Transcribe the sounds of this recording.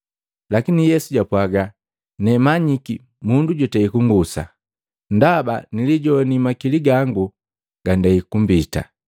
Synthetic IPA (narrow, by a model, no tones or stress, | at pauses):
lakinijɛsuɟapwaɡa | nɛmaɲiki | munduɟɔtɛikuŋɡusa̰ | ndabaniliɟɔnimakiliɡaŋɡu | ɡ̥andaikumbita̰